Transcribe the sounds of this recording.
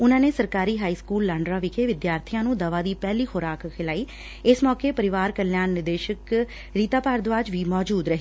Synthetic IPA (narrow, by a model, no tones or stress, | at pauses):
ʊnãːneːsəɾkaːɾiːɦaːiːskuːlːãːɳɖɾaːʋɪkʰeːʋɪd̪jaːɾt̪ʰɪjãːnũːd̪əʋaːd̪iːpɛːliːxoːɾaːkkʰːɪlaːiː | ɪsmɔːkeːpəɾɪʋaːɾkəɾljaːnːɪd̪eːʃək | ɾiːt̪aːpaːɾd̪ʋaːd͡ʒʋiːmɔːd͡ʒuːd̪ɾəɦi